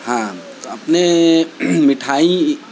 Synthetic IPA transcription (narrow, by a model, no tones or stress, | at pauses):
hãt̪oɐpne | mɪʈʰaːi